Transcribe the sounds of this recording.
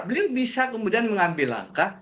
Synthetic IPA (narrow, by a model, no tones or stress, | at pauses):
bəliwbisakəmudianməŋambɪla̰ŋka